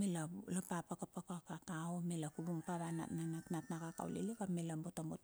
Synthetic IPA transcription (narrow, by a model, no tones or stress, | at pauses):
melalapapakapakakakaomelakubumpaβana̰nanatnatnakaka̰w̰lḛlekamelambotambot